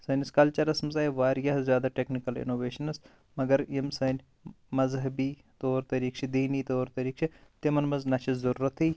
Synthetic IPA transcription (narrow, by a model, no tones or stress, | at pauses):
sɐːnʲiskɐlt͡ʃɐɾɐsmɐzaːjʋaːɾjɐɦzjaːd̪aːʈeːknikɐlḭnoːʋeːʃɐnɐs | mɐɡɐɾjimsɐnʲ | mɐzɦɐbiː | t̪oːɾt̪ɐɾiːkt͡ʃʰid̪iːniːt̪oːɾt̪ɐɾiːkt͡ʃʰit̪emɐnmɐznɐʃʰizɐɾuːɾɐt̪iː